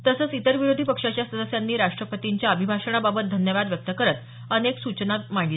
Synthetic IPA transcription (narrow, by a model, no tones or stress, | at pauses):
t̪əsəːt͡sit̪əɾʋiɾod̪ʱipəkʂat͡ɕjasəd̪əsjanːiːɾaʂʈɾəpət̪iɲt͡ɕjaəbʱibʱaʂəɳ̃ababət̪̚d̪ʱənjəʋad̪ʋjək̚t̪əkəɾət̪ | əneksut͡ɕnat̪maɳle